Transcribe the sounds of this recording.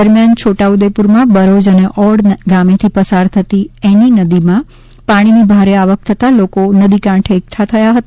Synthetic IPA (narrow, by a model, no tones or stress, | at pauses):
əɾmjant͡ʃʰoʈaud̪epuɾmãbəɾod͡ʒəneʔɔɽnɡamet̪ʰipəsaɾt̪ʰət̪ieninəd̪imã | paɽ̃inibʱaɾeaʋək̚t̪ʰət̪alokonəd̪ikãʈʰekt̪ʰat̪ʰəjaɦət̪a